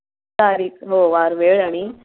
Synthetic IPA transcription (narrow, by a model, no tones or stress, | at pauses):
aɾiːkɦoʋaɾʋeɭaɽ̃i